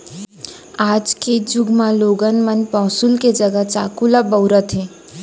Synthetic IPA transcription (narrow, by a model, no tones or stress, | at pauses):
aːd͡ʒked͡ʒʊɡmãloːɡənmənpɔːsulked͡ʒəɡət͡ʃaːkulabəwɾət̪ɦẽː